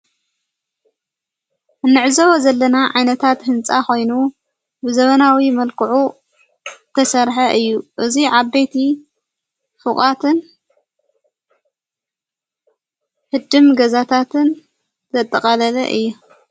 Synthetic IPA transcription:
ʔɨnːɨʕzɐwozɐlːɐnaʕajnɐt̪ʰat̪hɨnt͡sʼaxo̞jnu | bɨzɐβɐnawimɐlkʰɨʕu | t̪ʰɐsɐɾħɐʔɨjːuʔɨziʕabet̪ʰi | fɨχʼat̪ʰɨn | hɨd̪ɨmɡɐzat̪ʰat̪ʰɨn | zɐt̪ʼːɐkʼɐlɐlɐ̰ʔɨjːu

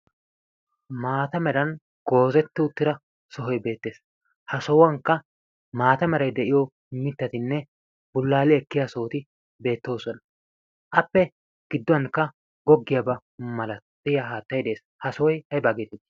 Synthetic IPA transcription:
maːt̪ɐmɛɾɐn | ɡ̥o̞ːzɛt̪ːɪʊt̪ːɪɾɐ | sɔɦɔjbe̞ːt̪ːe̞ːs | hɐsɔwɐŋkːɐ | maːt̪ɐmɛɾɐjd̪ɛʔɪjɔ | mɪt̪ːɐt̪ɪnːɛ | bʊlːaːlɪɛkːɪjaːsoːt̪ɪ | be̞ːt̪ːo̞ːsɔnɐ | ʔɐpːɛ | ɡ̥ɪd̪ːɔɐnkːɐ | ɡɔɡːɪjabɐ | mɐlɐt̪ʼːɪjaːɦaːt̪ːɐjd̪e̞ːs | hɐsɔwɔjɐjbaːɡet̪ːɪd̪

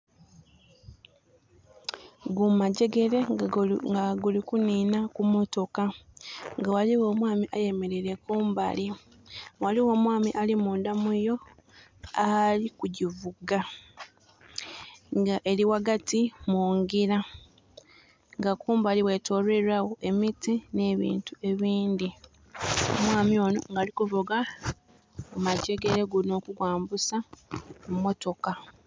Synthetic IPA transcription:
ɡumaɟe̞ɡe̞ɾe̞ɡaɡulikuniːnakumo̞to̞kaŋɡawaliwo̞ːmwaːmiʔaje̞me̞ɾe̞ɾe̞kuːmba̰li | waliwo̞ːmwaːmiʔalimuːndamujo̞ | alikuɟivuɡa | ŋɡaʔe̞liwaɡatimuːŋɡiɾa | ŋɡakuːmbaliwe̞ːto̞ːɾweɾawo̞ʔe̞mitine̞ːβḭːntue̞βiːnd̪i | o̰mwaːmio̞ːno̞̰ŋɡaːlikuvuɡa | umaɟe̞ɡe̞ɾe̞ɡuno̞ːkuɡwaːmbusamumːo̞to̞ka

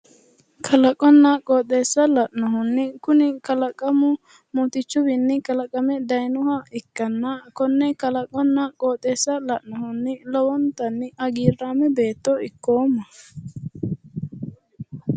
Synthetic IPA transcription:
kʰɐlɐkʼɔnːɐkʼoːt̪ʼːeːsːɐlɐʔnɔɦʊnːɪkʊnɪkɐlɐkʼɐmʊ | mɔt̪ɪt͡ʃːʊbɪnːɪkɐlɐkʼːɐmɛd̪ɐjnʊhɐɪkːɐnːɐkɔnːɛkɐlɐkʼɔnːɐkʼoːt̪ʼeːsːɐlɐʔnɔhʊnːɪlɔwɔnt̪ɐnːɪʔɐɡiːɾaːmɛbe̞ːt̪ːɔɪkːoːmːɐ

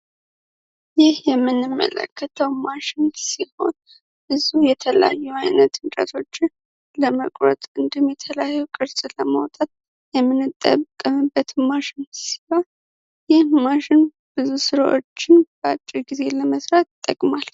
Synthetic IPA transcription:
jɪhjɛmːɨnːɨmːə̰lə̰kʰːət̪ʰəwmaʃɪnsiho̞̰n | bɨzujɛt̪ʰələja̰jːuajnət̪ɨnt͡ʃʼə̰t̪ʰo̞t͡ʃːɪn | ləmə̰kʼɾə̰t̪ʼɨnd̪ɨmjɛt̪ʰələjajːukʼɨɾsʼləmə̰wt̪ʼat̪̚ | jɛmːɨnːɨt̪ʼːə̰kʼːəmɨbːət̪maʃɪnsi̥ha | jɪhmaʃɪn | b̥ɨzusɨɾa̰ʔo̞̰t͡ʃːɪnbəat͡ʃʼːiɾɡize̞ləməsɾat̪t̪ʼːə̰kʼmal

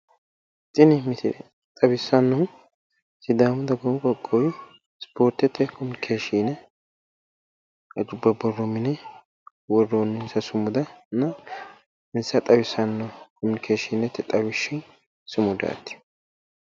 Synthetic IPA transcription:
t̪ʼɪnɪmɪtɪ | t̪ʼɐbɪsɐnːɔ | sɪd̪aːmʊd̪ɐɡɔmkʼɔkʼːɔwɪ | spʰoːɾt̪ɛt̪ːɛkɔmʊnɪkʰeːʃinɛ | ɐd͡ʒʊbːɐbɔrːɔmɪnɛ | wɔrːonːʊsɐsʊmʊd̪ɐnɐ | ɪnsɐt̪ʼɐbɪsɐnːɔkɔmʊnɪkʰeːʃɪnɛt̪ːɛt̪ʼɐbɪʃɪn | sʊmʊd̪a̰ːt̪ːɪ̥

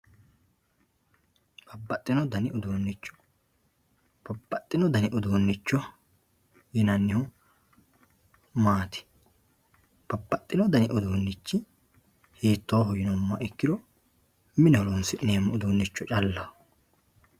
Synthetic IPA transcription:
b̥ɐbːɐt̪ʼːɪnɔd̪ɐnɪɔd̪oːnːɪt͡ʃːɔ̥ | b̥ɐbːɐt̪ʼːɪnɔd̪ɐnɪʔɔd̪oːnːɪt͡ʃːɔ | jɪnɐnːɪhʊ | maːt̪ɪ̥ | b̥ɐbːɐt̪ʼːɪnɔd̪ɐnɪʔɔd̪oːnːɪt͡ʃːɪ | heːt̪ːoːɦɔjɪnɔmːɐʔɪkːɪd̪ɔ | mɪnɛhɔlɔnsɪʔɪneːmːɐɔd̪oːnːɪt͡ʃːɔt͡ʃʼɐlːɐ

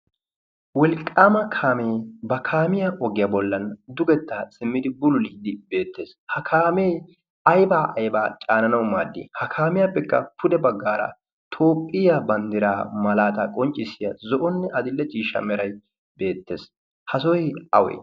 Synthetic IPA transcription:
wɛlkʼːaːmɐkʰaːmeːbɐkʰaːmɪjaʔɔɡɪjɐbɔlːɐnd̪ʊɡɛt̪ːaːsʼɪmːɪd̪ɪbʊlʊliːd̪ɪbe̞ːt̪ːe̞ːshɐkʰaːme | ɐjbaːʔɐjbaːt͡ʃʼaːnɐnɐwmaːd̪ːɪ̰hɐkʰaːmɪjapːɛkːɐpʊd̪ɛbɐɡːaːɾɐ̰ | t̪ʰo̞ːpʼːɪjabɐnd̪ɪɾaːmɐlaːt̪ɐkʼɔnt͡ʃʼɪsːɪjɐzɔʔɔnːɛʔɐd̪ɪlːɛt͡ʃʼiːʃɐ̰mɛɾɐj | be̞ːt̪ːe̞̰ːs | hɐsɔjɐ̰wɛ̰

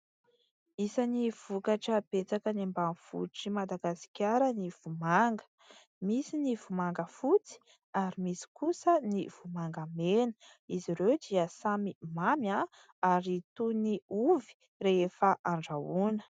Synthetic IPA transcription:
isaniv̥ukaʈ͡ʂəb̥et͡sakənimbanfṵʈ͡ʂimad̪aɡasi̥kʲaɾəniv̥umaŋɡə̥ | misinivumaŋɡəfut͡si̥ | aɾimisi̥kusəniv̥umaŋɡamenə | iziɾewd̪iəsamimamja | aɾit̪uniuvi̥ | refəʔaɳɖ͡ʐaunə̥

